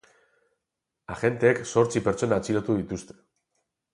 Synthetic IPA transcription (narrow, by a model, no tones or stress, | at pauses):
axe̞nt̪e̞ːkso̞ɾt͡sipe̞ɾt͡so̞naːt͡siɾot̪uðit̪ust̪e̥